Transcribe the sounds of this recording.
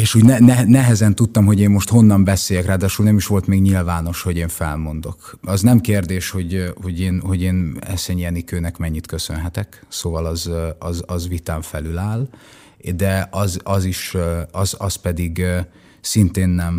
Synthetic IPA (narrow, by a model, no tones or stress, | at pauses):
eːʃuːɟnɛnɛɦɛɛɦɛzɛnt̪ut̪ːɒmɦo̞ɟeːmmo̞ʃt̪ho̞nːɒmbɛseːjɛkraːd̪aːʃulnɛmiʃʋo̞lt̪meːɡɲilvaːno̞ʃho̞ɟeːɱfɛ̰lmo̞nd̪o̞kɒznɛmkeːrd̪eːʃho̞ɟho̞ɟeːnho̞ɟeːnɛ̰sɛɲijɛnikøːnɛkmɛɲːit̪kø̞sønɦɛt̪ɛksoːvɒlɒzɒzɒzʋit̪aːɱfɛlylaːl | d̪ɛɒzɒziʃɒzɒspɛd̪iɡ | sint̪eːnːɛm